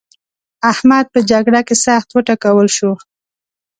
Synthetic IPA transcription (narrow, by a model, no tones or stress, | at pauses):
ahmad̪̚pəd͡ʒaɡɽakesaxt̪wəʈakawəlʃo